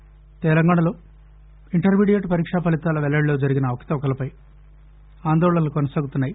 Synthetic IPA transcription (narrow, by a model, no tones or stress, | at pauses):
t̪ɛlɐŋɡaːɳ̃ɐlo̞ː | iɳʈɐɾmiːɽijeʈpɐɾiːkʂaːpɐlit̪aːlɐʋɛlɐɭlo̞ːd͡ʒɐɾiɡinɐːʋɐkʰɐ̥t̪ɐʋɐkɐlɐpɐj | aːnd̪ɔːɭɐnɐlukɔnɐsaːɡut̪unːaːji